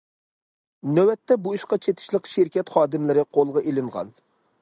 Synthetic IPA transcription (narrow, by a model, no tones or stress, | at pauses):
nøwɛt̪ʰːɛbujiʃqɑt͡ʃʰet̪ʰɪ̥ʃlˠəqʃɪɾkʲɛt̪χɑːd̪ɪmlɪɾɪqʰolˠʁɑʔelɪɴʁɑ̰n